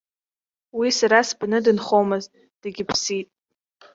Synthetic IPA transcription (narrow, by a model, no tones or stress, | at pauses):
wisaɾasbnɨdɨnχomɨztʼ | d̥ɨɡʲɪpʰsitʼ